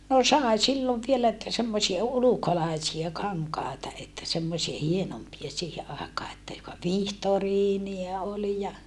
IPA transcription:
no sɑˑe silːoʋ ʋielæ etːæ semːosiɑ ulukolɑˑisiɑ kɑŋkɑˑetɑ etːæ semːosie hienompiɑ siːhe ɑˑekɑː etːæ jokɑ ʋihtoriːniɑ olĭ jɑ

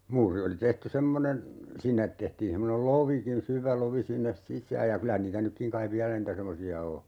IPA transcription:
muːri oli tehty semːonen sinːet tehtiːn semːonel loʋikin syʋæ loʋi sinːes sisˑæːj jɑ kylæ niːtæ nykːiŋ kɑiʋ ʋiælæ niːtæ semːosiɑ o

